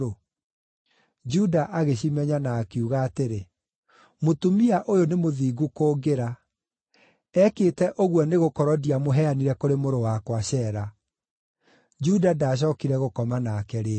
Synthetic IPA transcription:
o | d͡ʒudaʔaɣeɕimɛɲanakeuɣaːteɾe | motumiaʔojonemoðiɡukoːɡeɾa | ɛkeːtɛʔoɣwɔneɣokɔɾɔdiamoɦɛaniɾɛkoɾemoɾowakwaɕɛːɾa | d͡ʒudadaɕ̬ɔkiɾɛɣokɔmanakɛɾe

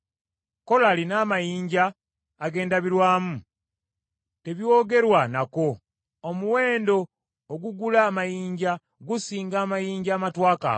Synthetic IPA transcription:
ko̞laːlinaːmajiːɲɟaː | ɡe̞ːndaβiɾwaːmu | te̞βjoːɡe̞ɾwanako̞ | omuwe̞ːndo̞ː | ɡuɡulaːmajiːɲɟa | ɡusiːŋɡaːmajiːɲɟaːmatwaːka̰

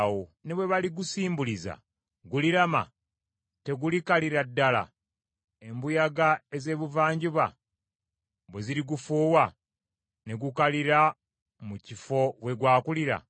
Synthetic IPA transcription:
wone̞βwe̞βaliɡusiːmbuliza̰ | ɡuliɾama̰ | te̞ɡulikaliɾadːala̰ | e̞mbujaɡae̞ze̞ːβuvaːɲɟuβa̰ | βweziɾiɡufuːwa | ne̞ɡukaliɾa | mucifo̞we̞ɡwaːkuliɾa̰

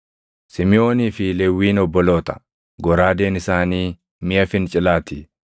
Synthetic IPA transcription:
sɪmɪʔo̞ːniːfɪlɛwːiːnɔbːɔlo̞ːt̪ɐ̥ | ɡɔɾaːd̪eːnɪsaːniː | mɪjɐfɪnt͡ʃʼɪlaːt̪i

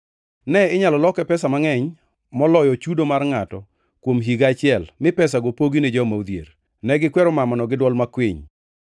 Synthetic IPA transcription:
nɛɪɲalɔlɔkɛpɛsamaŋɛɲ | mɔlɔjɔt͡ʃudomarŋatɔ | kwomɦiɡat͡ʃɪɛlmɪpɛsaɡopoɡined͡ʒɔmaud̪jḛr | nɛɡɪkwɛɾɔmamanɔɡɪdwɔlmakwiɲ

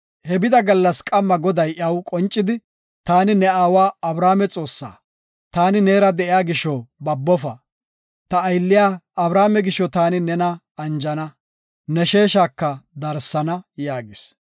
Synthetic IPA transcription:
hɛbɪd̪ɐɡɐlːɐskʼɐmːɐɡɔd̪ɐjʔɐwkʼɔnt͡ʃʼːɪd̪ɪ | t̪aːnɪnɛaːwaːɐbɾaːmɛt͡sʼo̞ːsːa̰ː | t̪aːnɪne̞ːɾɐd̪ɛʔɪjaːɡɪʃːɔbɐbːɔfɐ | t̪ɐːjlːɪjaːɐbɾaːmɛɡɪʃːɔt̪aːnɪnɛnɐ | ɐnd͡ʒɐnɐ | nɛʃe̞ːʃaːkːɐd̪ɐɾsːɐnɐjaːɡɪs

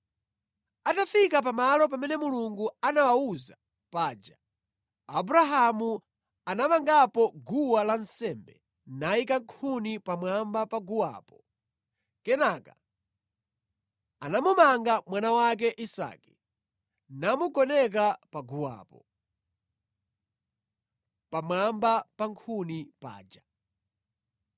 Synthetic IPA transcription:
atafikap̬amalɔp̬amɛnɛmuluŋɡuanawauza | paːd͡ʒaː | buɾaɦamu | anamaŋɡapɔɡuwalan̩sɛmbɛ | naikaŋkʰunipamwambapaɡuwa̰ːpɔ | kɛnaka̰ | anamumaŋɡamwanawak̬ɛʔisa̰ːki̥ | namuɡɔnɛk̬apaɡuwa̰ːpɔ | pamwambapaŋkʰunipa̰ːd͡ʒa

